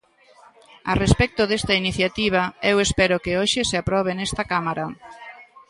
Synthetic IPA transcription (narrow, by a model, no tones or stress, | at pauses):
a̰respɛk̚t̪oðest̪ɐiniθjat̪iβ̞ɐewespɛɾʊkɪoʃɪseapɾɔβ̞enɛst̪ɐkamaɾa